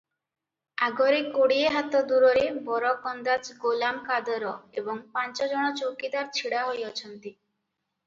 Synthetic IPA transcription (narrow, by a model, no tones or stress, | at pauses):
aɡɔɾekoɽieɦat̪ɔd̪uɾɔɾebɔɾɔkɔnd̪at͡ʃɡolamkad̪ɔɾɔebɔŋpant͡ʃɔd͡ʒɔɽ̃ɔt͡ʃowkid̪aɾt͡ʃʰiɽaɦojɔt͡ʃʰɔnt̪i